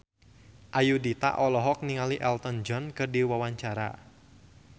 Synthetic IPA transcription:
ʔajudit̪a̰ʔɔlɔɦɔk̚niŋaliʔɛlt̪ɔnd͡ʒɔnkɨrdiwawaɲt͡ʃaɾa̰

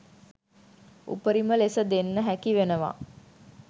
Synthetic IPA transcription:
ṵpəɾiməlesəd̪enːəɦækiʋenəʋa̰

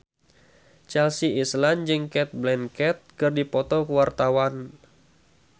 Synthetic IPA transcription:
t͡ʃɛlsiisland͡ʒɨŋkɛt̪̚blɛnkɛt̪̚kɨrdipɔt̪ɔkəwart̪awan

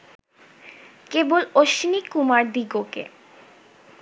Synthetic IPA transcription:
keboloʃinikumaɾd̪iɡokḛ

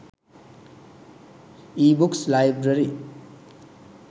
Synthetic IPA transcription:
ibukslajbɾʌɾi

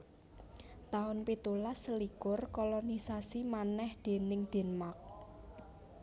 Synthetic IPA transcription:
t̪aʊnpit̪ulasəlikʊrkɔlɔnisasimanɛhd̪̥e̤nɪŋd̪̥e̤nmak̚

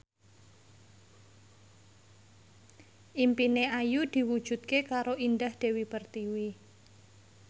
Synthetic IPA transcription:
ʔimpineajud̪̥i̤wud̥ʒ̥ṳt̪̚kekaɾoindahd̪̥e̤wipərt̪iwi

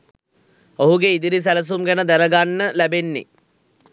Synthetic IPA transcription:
oɦuɡeid̪iɾis̬æləs̬umɡænəd̪æɾəɡanːəlæbenːḛ

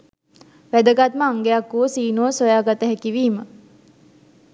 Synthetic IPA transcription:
ʋæd̪əɡat̪̚məaŋɡejakːuʋəsiːnoːsojaːɡat̪əɦækiʋiːmə

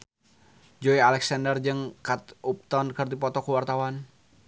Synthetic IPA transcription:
d͡ʒɔialɛksandərd͡ʒɨŋkat̪ʔup̚t̪ɔnkɨrd̪ipɔt̪ɔkuwart̪awan

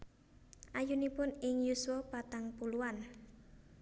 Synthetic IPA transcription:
ʔajunipʊnɪŋjuswɔpat̪aŋpuluan

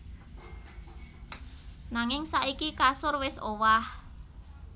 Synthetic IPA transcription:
naŋɪŋsaʔikikasʊrwɪsowah

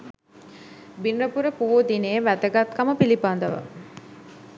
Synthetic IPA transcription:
binrəpuɾəpuʋod̪inejəʋæd̪əɡat̪kaməpilipand̪əʋə̰

